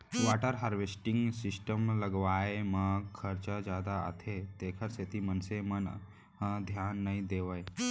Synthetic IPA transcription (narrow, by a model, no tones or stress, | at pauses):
ʋaʈəɾɦaɾʋesʈiŋɡsisʈəmləɡʋajeməɡkʰəɾt͡səd͡ʑad̪a̰ːt̪ʰet̪ekʰəɾset̪ʰiːmənsemən | ɦəd̪ʱjanːaɦĩd̪eʋaj